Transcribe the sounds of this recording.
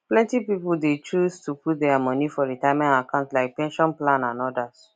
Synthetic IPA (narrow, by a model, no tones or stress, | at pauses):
plɛ̃ntipipl̩det͡ʃustʰuput̚dɛamɔnifɔɹitaɪmɛ̃ntakãʊ̃ntlaɪk̚pɛ̃nʃɔ̃nplãnãnɔdas